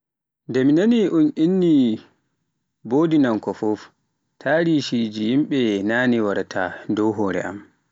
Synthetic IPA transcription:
ndɛminaniʔunʔinːi | boːdinankɔfɔf | tʰaːɾiʃid͡ʒijimɓɛnaːniwaɾtʰadɔwɦɔːɾɛ̰ʔa̰m

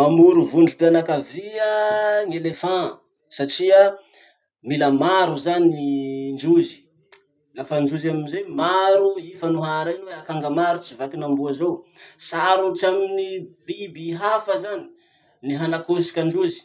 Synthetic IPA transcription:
mamuɾuvuɳɖ͡ʐupianakaviəŋelefã | saʈ͡ʂia | milamaɾuzaniind͡ʒuzi̥ | lafənd͡ʒuzaminzemaɾuifanuɦaɾanweakaŋɡamaɾut͡sivakinambuazowsaɾuʈ͡ʂaminibibiɦafəzani̥ | niɦanakosi̥kʲand͡ʒuzi̥

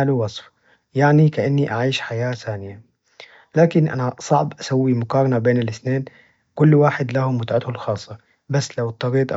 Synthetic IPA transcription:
aluwɑsˤf | jaʕnikaʔanːiʔaʕiːʃħajaːθaːnɪja | laːkɪnʔa̰nasˤɑʕbʔasawːimʊkɑːɾˤɑnabeːnɪlɪθneːn | kʊlːwaːħɪd̪lahʊmːʊt̪ʕat̪hʊlxɑːsˤːɑ | basːlawɨt̪ˤːɑɾiːt̪ˤʔ

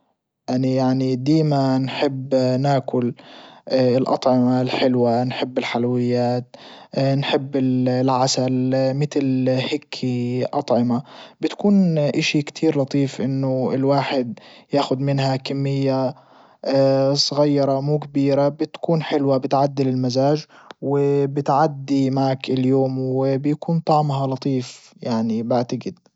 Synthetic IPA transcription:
ʔanijaʕnid̪iːmanħɪbːnaːkʊl | ɪlʔɑ̰t̪ˤʕɪmalħɪlwanħɪbːɪlħalwɪjːaːt̪̚nħɪbːɪlʕasalmɪt̪lhɪkʰːiʔɑt̪ˤʕɪmabɪt̪kuːnʔaʃikt̪ʰiːɾlɑt̪ˤiːfʔɪnːʊɪlwaːħɪd̪jaːxʊd̪mɪnɦakamːɪjːa | sˤɣɑjːɑɾˤɑmuːkabiːɾabɪt̪kuːnħɪlwabɪt̪ʕad̪ːɪlɪlmazaːʒwɪbɪt̪ʕad̪ːimaʕakɪljoːmwɪbɪjakuːnt̪ˤɑʕmɦɑlɑt̪ˤiːfjaʕnibaʕt̪aɡɪd̪̥̚

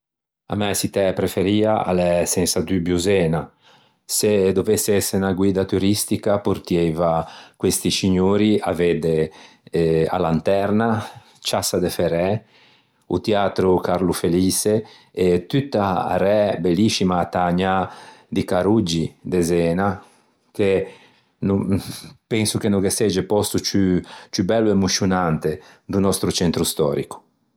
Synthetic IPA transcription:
a̰mɛsit̪ɛpɾefeɾiːaa̰lɛsɛnsad̪ybjuzɛːna | sed̪ovesːeɛsenaɡwiːd̪at̪uɾist̪ikapuɾt̪jɛvakwest̪isiɲoːɾia̰ved̪e | a̰lant̪ɛɾna | t͡ʃasad̪efeɾɛ | ṵt̪eaːt̪ɾukaɾlufeliːse | et̪yt̪ːaa̰ɾɛbelːisimaːt̪aɲad̪ikaɾud͡ʒid̪ezɛːna | ke | nupɛnsukenokesɛd͡ʒepɔst̪ut͡ʃyt͡ʃybɛlːuemusjunant̪ed̪unɔst̪ɾut͡ʃɛnt̪ɾust̪ɔ̰ːɾḭku̥

